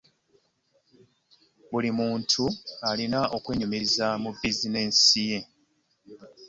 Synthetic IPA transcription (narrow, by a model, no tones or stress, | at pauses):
βulimuːntʰualinaʔo̞kwe̞ːɲumiɾizamubizinesije̞